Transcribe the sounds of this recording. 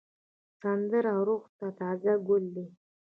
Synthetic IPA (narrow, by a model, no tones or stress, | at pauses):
sand̪əɾawɾuqt̪at̪ɑːzaɡʊlːi